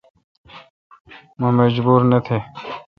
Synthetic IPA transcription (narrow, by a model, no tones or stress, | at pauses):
məməd͡ʒbuːɾnet̪ʰeː